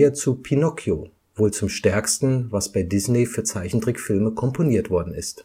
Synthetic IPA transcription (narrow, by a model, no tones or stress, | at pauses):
ɐt͡supʰinɔkʰjo | voːlt͡sʊmʃtɛɐkstn̩vasb̥aɪdɪznefyːɐt͡saɪçn̩dʁɪkfɪlməkʰɔmpʰoniːɐtv̥ɔɐdn̩ɪ̰st